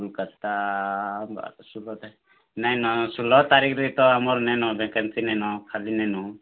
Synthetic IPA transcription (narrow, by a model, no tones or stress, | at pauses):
lkət̪a | a̰sulɔt̪ | najnɔsulɔt̪aɾikʰɾit̪ɔamɔɾnɛnɔbɛkənsinɛnɔkʰalinɛnu